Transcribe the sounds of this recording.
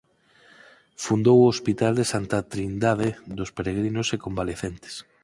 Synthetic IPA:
fund̪owospit̪ald̪esant̪at̪ɾind̪að̞eðospeɾeɣ̞ɾinosekombaleθent̪e̥s

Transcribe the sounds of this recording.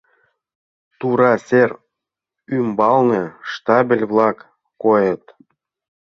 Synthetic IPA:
t̪uɾɑser | ymbɑlneʃt̪ɑbʲelʲβlɑkː | ojət̪

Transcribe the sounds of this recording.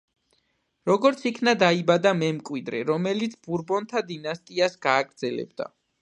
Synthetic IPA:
ɾɔɡɔɾt̪sʰikʰnad̪aibad̪amɛmkʼwid̪ɾɛɾɔmɛlit̪sʰbuɾbɔnt̪ʰad̪inast̪ʼiasɡ̥aːɡɾd̪zɛlɛ̰b̚d̪a̰

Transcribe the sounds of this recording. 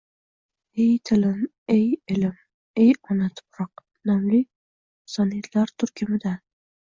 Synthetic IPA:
ejt̪ʰɪlɪn | ejɪlɪm | ejɒnat̪ʰʊ̥pɾɑq̚ | nɒmli | sɒnijat̪ʰlaɾt̪ʰʊɾkʲʰɪmɪd̪a

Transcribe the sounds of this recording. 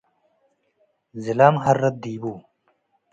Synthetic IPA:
zilaːmɦɐɾːɐd̪̚d̪iːbuː

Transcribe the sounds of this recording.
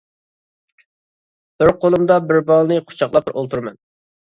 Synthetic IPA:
b̥ɪɾqʰolˠumd̪ɑbɪɾbɑlˠnɨqʰʊ̥t͡ʃʰɑχlˠɑp̚ɾʔo̰lˠt̪ʰuɾmɛn

